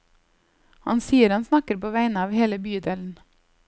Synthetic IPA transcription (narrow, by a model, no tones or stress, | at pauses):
hɑnsiːəɾɑnsnɑkəɾpoːʋæɪnəɑːʋheːləbyːd̪eːln̩